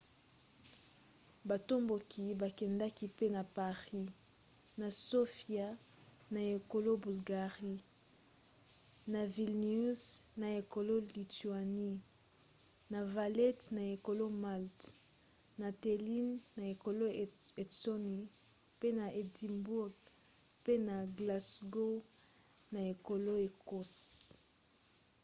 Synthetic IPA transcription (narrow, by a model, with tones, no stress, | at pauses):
ba˨to˦mbo˨kʰi˨ba˨kɛ˨nda˦ki˦pe˦na˨pa˨ʁi˦ | na˨so˦fja˦ | na˨e˨ko˨lo˦bu˨lɡa˨ʁi˦ | na˨vi˨lnu˦sna˨e˨ko˨lo˦li˨tu˨a˨ni˦ | na˨va˨lɛ˦tna˨e˨ko˨lo˦ma˦lt | na˨te˨li˦nːa˨e˨ko˨lo˦e˨so˦ni˨ | pe˦na˨e˨di˨mbu˦ɡ | pe˦na˨ɡla˨sɡo˦ | na˨e˨ko˨lo˦e˨ko˦s